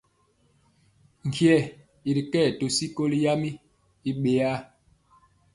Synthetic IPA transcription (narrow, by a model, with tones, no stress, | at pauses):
ŋ̩˨kjɛ˦˨ | i˨ɾi˨kɛ˦˨to˨si˦ko˦li˦ja˦mi˦ | i˦ɓe˨a˦